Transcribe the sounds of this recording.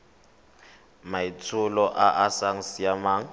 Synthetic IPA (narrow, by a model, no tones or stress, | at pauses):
mait͡sʰʊlɔʔaʔasaŋ̩sjamaːŋ̩